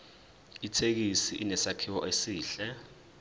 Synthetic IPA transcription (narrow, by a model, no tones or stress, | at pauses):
itʰek̬isiʔinɛsakʰiwɔʔesiːɬɛ